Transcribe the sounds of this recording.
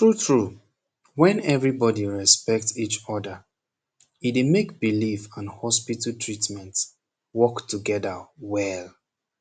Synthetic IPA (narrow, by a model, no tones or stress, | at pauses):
tɹutʰɹu | wɛ̃nɛvɹibɔdiɹɛspɛk̚tsit͡ʃɔdə | idemekb̥ilifãnhɔspitəltʰɹitmɛ̃nt | wɔktuɡɛdəwɛl